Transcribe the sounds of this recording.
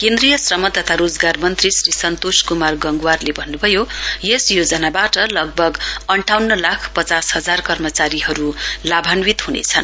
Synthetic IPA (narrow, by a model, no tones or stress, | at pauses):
kend̪rijʌsrʌmʌt̪ʌt̪ʰaɾod͡zɡarmʌnt̪risrisʌnt̪oskumarɡʌŋɡwarlebʱʌnːubʱʌjojesjod͡zʌnabaʈʌlʌɡ̚bʱʌɡʌɳʈʰawnːʌlakʰpʌt͡sashʌd͡zarkʌrmʌt͡saɾiɦʌɾulabʱanwit̪ɦunḛt͡sʰʌn